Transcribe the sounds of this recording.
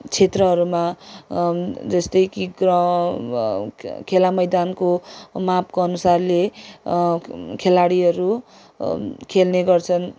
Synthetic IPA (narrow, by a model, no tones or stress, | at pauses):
t͡sʰet̪rʌɦʌɾuma | d͡zʌst̪ʌjkiɡrʌ | kʰelamʌjd̪ankomap̚koʌnusarle | kʰelaɽiɦʌɾu | kʰelneɡʌrt͡sʰʌn